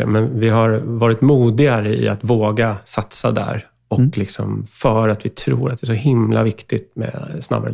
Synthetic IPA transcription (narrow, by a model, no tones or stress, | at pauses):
mɛnvɪɦaɾvɑːɾɪt̪muːd̪ɪɡaɾəɪ̰at̪voːɡasat̪sad̪æ̰ɾ | ɔkːlɪksɔmfœːɾat̪vɪt̪ʰɾṵːɾat̪d̪ɛæʂɔhɪmlʔa̰vɪkt̪ɪt̪mɛ̰sna̰bːaɾ